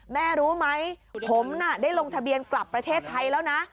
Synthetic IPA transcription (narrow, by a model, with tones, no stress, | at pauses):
mɛː˥˩ɾuː˦˥ma˦˥jpʰo˩˦mna˧˥˩daː˥˩jlo˧ŋt̪ʰa˧bi˧ənkla˨˩pːɾa˧t̪ʰeː˥˩t̪ʰːa˧jlɛː˦˥wna˦˥ʔ